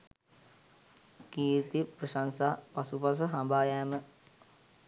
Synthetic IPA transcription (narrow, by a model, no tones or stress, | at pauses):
kiːɾt̪ipɾəʃansaːpasupas̬əɦambaːjaːmə